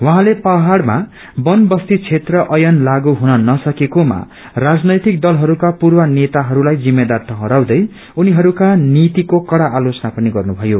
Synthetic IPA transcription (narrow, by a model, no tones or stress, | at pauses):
wʌɦãlepʌɦaɽma̰ | bʌnbʌst̪it͡sʰet̪rʌʔʌjʌnlaɡuɦunʌnʌsʌkekoma̰ | rad͡znʌjt̪ik̚d̪ʌlɦʌɾukapurwʌnet̪aɦʌɾulajd͡zimːed̪art̪ʌɦʌ̃ɾawd̪ʌj | uniɦʌɾukanit̪ikokʌɽaʔːlot͡sʌnapʌniɡʌrnubʱʌjo